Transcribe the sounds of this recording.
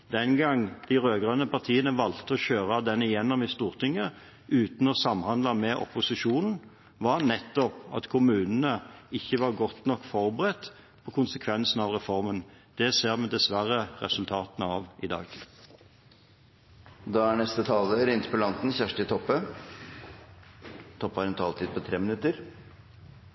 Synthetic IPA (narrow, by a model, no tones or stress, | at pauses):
d̪ɛnɡɑŋd̪̥ɪʁøːɡʁɑnəpɑʁt̪ʰiːənəʋɑlt̪əɔçøːʁɑd̪ɛnɪjɛnːɔmɪst̪uːʁt̪ʰɪŋːə | ʉːt̪n̩ɔsɑmːhɑnd̪lɑmɛʔɔ̰pʊsɪʂuːnn̩ | ʋɑʁnɛt̪ːɔpɑ̰t̪kʰʊmʉːnənəɪçːəʋɑʁɡɔt̪nɔkːfɔʁbəʁɛt̪ː | pʰɔkʰʊnsəkʰʋɛnsn̩ɑʋʁɛfɔʁmənd̪̥ɛseːʁmɛd̪ɛsʋæʁəʁɛ̰sʉlt̪ʰɑːt̪nəɑʋʔɪd̪ɑ̰ːɡ | d̪ɑːæɳɛst̪ət̪ʰɑːləɾɪnt̪pɔlɑnt̪n̩çæʂʈɪt̪ʰɔpːə | t̪ʰɔpːɑɾɛnt̪ʰɑːlt̪ʰiːd̪̚pʰɔt̪ʰɾeːmɪnʉt̪ːəɾ